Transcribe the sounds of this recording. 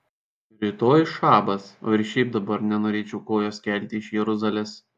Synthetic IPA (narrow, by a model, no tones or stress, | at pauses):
ɾʲɪt̪oːjʃɑːbɐso̰ːɪɾʲʃʲɛɪp̚d̪ɐbɐɾnʲɛnoːɾʲeːt͡ʃʲɛʊkoːjoːsʲkʲɛˑlʲˑt̪ʲɪɪʃjɛɾʊzɐlʲɛs